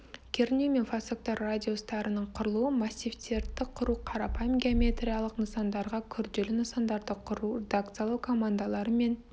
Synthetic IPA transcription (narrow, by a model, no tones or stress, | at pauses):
kʲʰeɾnʲimʲenfasok̚t̪ɑrːadʲio̞st̪ɑɾənəɴqʰʊɾlˠuəmasʲːivt̪ʲeɾt̪ɪqʰːʊɾuːqʰɑɾɑpɑjmɡʲeomʲe̞t̪rʲijalˠəqnəsɑnd̪ɑɾʁɑkʲʰʏɾd̪e̞lʏnəsɑnd̪ɑɾd̪əqʰʊɾurʲed̪akt̪sɨjalˠɑwkʰo̞mand̪alˠɑɾəme̞n